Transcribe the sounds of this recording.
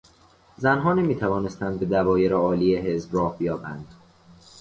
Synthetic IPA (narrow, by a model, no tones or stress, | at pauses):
zænɦɒːne̞miːt̪ʰævɒːne̞st̪ænd̪be̞d̪ævɒːje̞ɾeɒːliːjeɦe̞zbrɒːhbijɒːbæ̰nd̪̥